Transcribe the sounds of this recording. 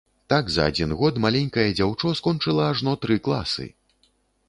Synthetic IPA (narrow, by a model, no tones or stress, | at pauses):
t̪aɡzɐ̰a̰d͡zʲinɣɔt̪malʲɛnʲkɐjɐd͡zʲawt͡ʂɔskɔnt͡ʂɨlˠɐːʐnɔt̪ɾɨklˠa̰sɨ̰